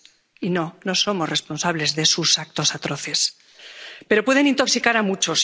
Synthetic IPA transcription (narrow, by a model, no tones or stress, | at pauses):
ino̞no̞so̞more̞spo̞nsaβ̞le̞zðe̞susak̚t̪o̞sat̪ɾo̞θe̞s | pe̞ɾo̞pwe̞ð̞e̞nĩnt̪o̞ksikaɾamut͡ʃo̞s